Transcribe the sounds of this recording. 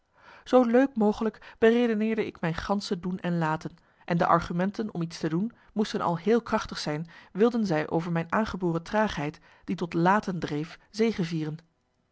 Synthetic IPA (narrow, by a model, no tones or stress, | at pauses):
z̥owløɥkmowχələkb̥ərejdonɪːɹdəɪkmɛjnχɑnsədunʔɛnlaːtən | ʔɛndəʔɑɹχymɛntənɔ̰mitstədun | mustənʔɑ̰lˠɦɪːlˠkrɑχtəχsɛjnʋɪlˠdənzɛjʔo̰wvəɹmɛjnaːnχəbʊːrətraːχɦɛjt | d̥itɔtlaːtəndrejfzejχəviːrən